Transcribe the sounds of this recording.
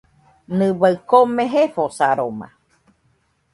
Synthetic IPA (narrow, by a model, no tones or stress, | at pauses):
nɨ̃βaɨkomẽɦefosaɾoma̰